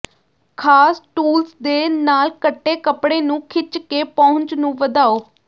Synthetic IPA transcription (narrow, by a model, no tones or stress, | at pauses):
kʰaːsʈuːlsd̪eːnaːlkəʈːeːkəpɽeːnũːkʰɪt͡ʃkeːpɔ̃ʊ̃ɲt͡ʃnũːʋəd̪aːoː